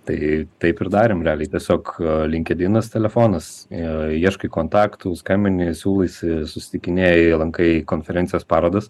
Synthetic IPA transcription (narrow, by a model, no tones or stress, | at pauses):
t̪ɐɪt̪ɐɪpɪɾd̪ɑːɾʲeːmɾʲɛɑːlʲɛɪt̪ʲɛsʲoːklʲɪŋʲkʲɛd̪ʲɪnɐst̪ʲɛlʲɛfoːnɐs | iɛʃkɐɪkoːnt̪ɑːkt̪ʊskɐɪmʲɪnʲɪsʲuːlˠɐɪsʲɪsʊsʲɪ̥t̪ʲɪkʲɪnʲeːjlˠɐŋkɐɪkoːnʲfʲɛɾʲɛnʲsʲɪjoːspɑːɾoːd̪ɐs